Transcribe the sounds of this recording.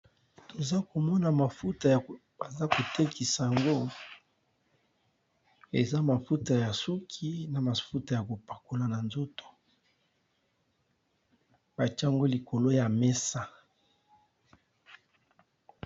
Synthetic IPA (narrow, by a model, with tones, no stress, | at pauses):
to˨za˦ko˨mɔ˦na˨ma˨fu˦ta˨ja˨ | ba˨za˦ko˨te˦ki˨sa˨ja˨ŋɡo˦ | e˨za˦ma˨fu˦ta˨ja˨su˦kʰi˦na˨ma˨fu˦ta˨ja˨ko˨pa˨ko˨la˨na˨nzo˦to̥˨ | b̥a˨t͡ʃa˦ŋɡo˦li˨ko˨lo˦ja˨mɛ˦sa˦